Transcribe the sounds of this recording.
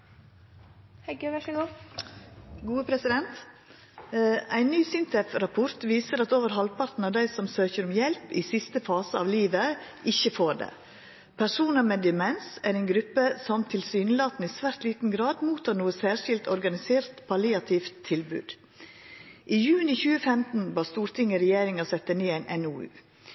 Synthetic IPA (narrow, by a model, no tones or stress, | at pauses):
hɛɡʋæʃəɡuː | ɡuːəpʰɾɛsɪd̪ɛnt̪ | ʔæɪnnyːsɪnt̪ʰɛfɾɑpʰɔɾt̪ʋiːsəɾɑt̪oːʋəɾɦɑlpʰɑɾt̪n̩ɑd̪æɪsɔmsøːçəɾʊmjɛlpiːsɪst̪əfɑːsəɑʋliːʋəʔɪçəfoːɖḛː | pʰæʂuːnɑmɛd̪ɪmɛnsæːɾænɡɾʉpːəsɔmt̪ʰɪlsyːnəlɑːt̪n̩iːsʋæːɾt̪liːt̪n̩ɡɾɑːd̪muːt̪ʰɑːnuːəsæːʂɪlt̪ɔɾɡɑnɪseːɾt̪pʰɑlɪɑt̪ʰɪft̪ʰːɪlbʉ̰ːd̪̥ | ʔiːjʉːnɪçʉːəfɛmt̪n̩bɑːst̪uːɾt̪ʰɪŋːəɾɛjeːɾɪŋɑsɛt̪ːəniːæɪnʔɛnuːʉ̰ː